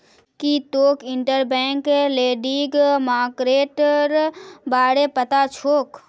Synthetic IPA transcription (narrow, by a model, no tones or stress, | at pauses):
kit̪oːkɪɳʈəɾbɛ̃ːŋkleːɖiɡmaːkɾeːʈɾbaːɽepət̪at͡ʃʰoːk